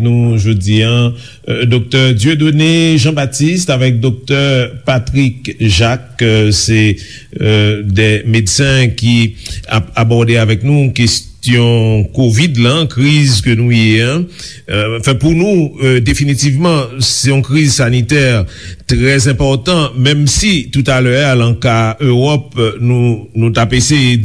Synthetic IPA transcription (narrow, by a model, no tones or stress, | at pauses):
nuʒod̪iã | d̪ok̚t̪œʁd̪jød̪oneʒɑ̃bat̪ist̪avɛk̚d̪ɔk̚t̪œʁpat̪ʁikʒaksɛ | d̪ɛmed̪sɛ̃kʲiaabɔʁd̪eavɛknukest̪jɔ̃kovid̪lakʁizkənũjeɛ̃ | ɑ̃fɛ̃puʁnuød̪efinit̪ivmɑ̃sɛɔ̃kʁizsanit̪ɛʁt̪ʁɛzɛ̃pɔʁt̪ɑ̃mɛ̃msit̪ut̪alœalɑ̃kaøʁɔpnunut̪apeseje